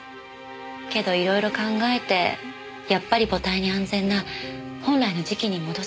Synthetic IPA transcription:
ke̞d̪o̞iɾo̞iɾo̞kãŋɡae̞t̪e̞̰ | japːaɾʲibo̞t̪aiɲ̟iãnzẽ̞nːahõ̞nɾaino̞ʑikʲiɲ̟imo̞d̪o̞

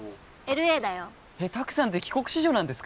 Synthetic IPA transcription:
e̞ɾɯ̟e̞ːd̪ajo | et̪akɯ̟̥sãnt̪̬e̞kʲi̥ko̞kɯ̟̥ɕiʑo̞ːnãnd̪e̞sɨ̥k

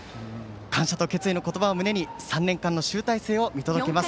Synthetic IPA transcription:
kãɰ̃ɕat̪o̞ke̞t͡sɨino̞ko̞t̪o̞baomɯ̟ne̞ɲ̟isãnːẽ̞ŋkãnːo̞ɕɨːt̪aise̞ːo̞mʲit̪o̞d̪oke̞mas

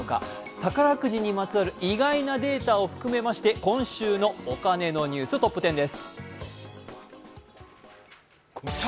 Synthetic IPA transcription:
oka̰ | t̪akaɾakɯ̟ʑiɲ̟ːimat͡sɨaɾɯ̟ʔiɡainad̪e̞ːt̪ao̞ɸɯ̟̥kɯ̟me̞maɕi̥t̪e̞kõ̞ɰ̃ɕɨːno̞ːkane̞no̞ɲ̟ʲɨːsɨt̪o̞pːɯ̟t̪ẽ̞nd̪e̞sɨ̥

